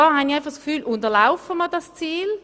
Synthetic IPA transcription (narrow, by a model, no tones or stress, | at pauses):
ɔhaniaɪnfaχskfyːlʔʊntəlaʊfəmədast͡siːl